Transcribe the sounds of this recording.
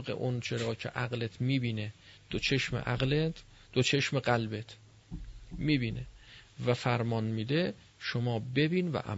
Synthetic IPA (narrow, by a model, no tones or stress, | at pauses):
ɣḛʔont͡ʃʰeɾɒːcʰḛʔæɣlet̪ʰmiːbiːned̪̥ot͡ʃʰe̞ʃmḛʔæɣlet̪ʰ | d̪̥ot͡ʃʰe̞ʃmeɢælbet̪ʰ | miːbiːnevæfæɾmɒːnmiːd̪e | ʃomɒːbe̞biːnvæ̰ʔæ̰